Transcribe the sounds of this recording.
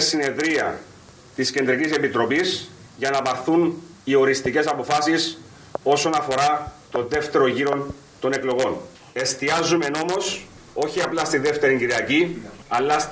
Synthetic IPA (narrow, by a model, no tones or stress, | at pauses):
sːine̞ðɾiɐ̰ | t̪isce̞nd̪ɾicise̞pit̪ɾo̞pis | ʝɐnɐpɐɾθunio̞ɾist̪ice̞sɐpo̞fɐsis | o̞so̞nɐfo̞ɾɐt̪o̞nðe̞ft̪e̞ɾo̞ʝiɾo̞n | t̪o̞ne̞klo̞ɣo̞n | e̞st̪iɐzːume̞no̞mo̞s | o̞çiɐplɐst̪iðeft̪e̞ɾiŋɟiɾiɐciɐlːɐs